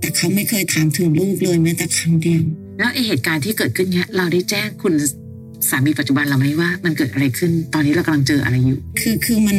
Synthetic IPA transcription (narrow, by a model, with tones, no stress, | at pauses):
t̪ɛː˨˩kʰa˦˥wma˥˩jkʰɤː˧jt̪ʰaː˨˦mt̪ʰɯ˨˩˦ŋluː˥˩k̚lɤː˧jmɛː˦˥t̪ɛː˨˩kʰa˧˥ndi˧əw | lɛː˦˥wʔa˧jɦeː˨˩t̪̚kaː˧nt̪ʰiː˥˩kɤː˨˩t̪̚kʰɯ˥˩nːi˦˥ɐɾa˧wda˥˩jt͡ɕɛː˥˩ŋkʰu˧n | saː˩˦miː˧pa˨˩t̪̚t͡ɕu˨˩ba˧nla˨˩wma˦˥jwaː˥˩ma˧nkɤː˨˩t̪̚ʔa˧ɾa˧jkʰɯ˥˩nt̪ɔː˧nːi˦˥ɾa˧wkmla˧ŋt͡ɕɤː˧ʔa̰˧ɾa˧jːuː˨˩kʰɯː˧kʰɯː˧ma˧n